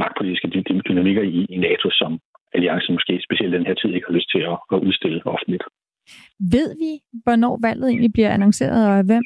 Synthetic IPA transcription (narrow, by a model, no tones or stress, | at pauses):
mɑ̈ɡ̥̚pʰo̝lidisɡ̥əd̥d̥ynæmiɡ̥ɐiːnɛːt͡sʰo̝sɒ̽m | æliɑ̈ŋsən̩mɒsɡ̥e̝̰ːsb̥e̝ɕiel̰d̥̚d̥enɦe̝ɐ̰t͡sʰið̰ˠe̝ɡ̥hɑ̈løsd̥̚t͡sʰe̝lɒɒʔuð̞ˠsd̥e̝l̰əɒ̽fn̩lid̥ | ʋe̝ð̞̰ˠʋiʋɒnɒ̰ːʋæl̰ð̩ˠe̝̰ːnlib̥liɐ̰ænɑŋse̝̰ːɐð̞̩ˠɒæʋem̰